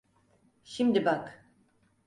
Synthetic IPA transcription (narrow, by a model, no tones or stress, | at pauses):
ʃimd̪ibak